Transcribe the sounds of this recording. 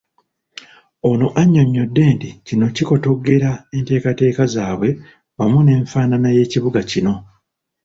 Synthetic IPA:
onoʔaɲːo̞ɲːo̞dːe̞ːnticino̞ciko̞to̞ɡe̞ɾae̞nte̞ːkate̞ːkazaːβwe̞ | wamune̞ːɱfaːnanaje̞ːciβuɡacino̞

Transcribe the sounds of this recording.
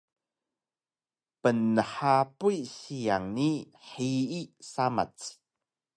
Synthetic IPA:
pənːəħapujɕijaŋni | ħiisama̰t͡s

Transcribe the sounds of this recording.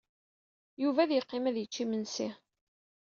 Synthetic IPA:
juvæðjəqːɪmæðjət͡ʃːimənsi

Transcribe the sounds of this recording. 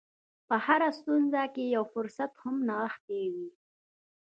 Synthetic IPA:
pəhaɾast̪unzakejawfʊɾsat̪hʊmnaxtewi

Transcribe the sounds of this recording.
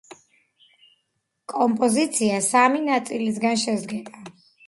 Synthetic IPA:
kʼɔmpʼɔzit̪sʰiasaminat̪sʼilis̬ɡanʃɛzd̪ɡɛba

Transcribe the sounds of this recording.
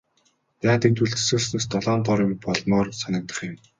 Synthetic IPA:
j̪aːt̪ĭnt̪ʰuɮɘ̆sɵ̆ːsneːst̪ɔɮɔːnt̪ɔɾjʊ̆mpɔɮmɔːrsanə̆k̚t̪ə̆χjʊ̆m

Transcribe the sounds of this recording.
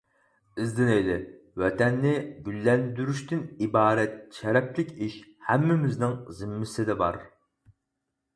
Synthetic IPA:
ɨzd̪ɪnejd̪ɪ | wɛt̪ʰɛnːɪbʲylːɛnd̪yɾyʃt̪ynibɑːɾɛt̪̚ʃɛɾɛplɪkʲiʃhæmːɪmɪznɪŋzɪmːɪsɪd̪ɛbɑ̰ɾ

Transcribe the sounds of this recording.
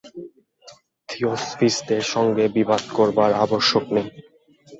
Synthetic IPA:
t̪ʰiosfisd̪eɾʃɔŋɡebibad̪koɾbaɾa̰boʃːoknej

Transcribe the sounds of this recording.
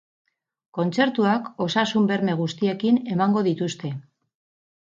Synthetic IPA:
ko̞nt͡se̞ɾt̪uako̞sasumbe̞ɾme̞ɣ̞ust̪ie̞kine̞maŋɡo̞ðit̪ust̪e̞

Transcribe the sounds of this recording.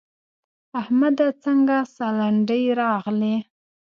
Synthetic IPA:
ahmad̪at͡səŋɡasalaɳɖəjɾɑɣli

